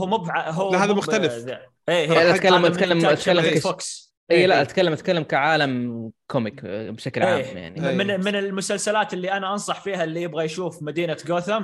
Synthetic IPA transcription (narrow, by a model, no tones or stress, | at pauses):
ʊmʊbʕaɦaːðmʊxt̪alɪf | ʔeːhʔakalːammalːamat̪kalːamafoks | ʔʔijːlaʔat̪kalːamʔat̪̚kalːamkaʕaːlamkʰomɪkbʃaklʔʕa̰ːja̰ʕnimɪmɪnɪlmʊsalsalaːt̪ɪlːiʔanaʔɑnsˤɑħfiːɦalːijɪbɣajʃuːfmad̪iːnaɡoːθam